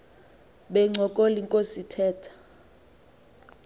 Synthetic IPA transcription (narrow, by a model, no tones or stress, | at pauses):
ɓɛŋ͡ǀʱɔkʼoliŋkʼositʰɛːtʰḁ